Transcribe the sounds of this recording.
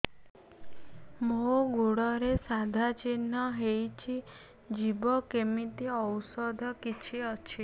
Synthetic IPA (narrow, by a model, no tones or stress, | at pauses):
moɡoɽɔɾesad̪ʱat͡ʃin̤ːɔɦejt͡ʃʰi | d͡ʒibɔkemit̪iɔwsɔd̪ʱɔkit͡ʃʰiɔt͡ʃʰi